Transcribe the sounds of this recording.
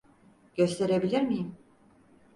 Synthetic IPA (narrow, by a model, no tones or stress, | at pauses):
ɟ̥ø̞st̪ʰe̞ɾe̞bilʲiɾmijim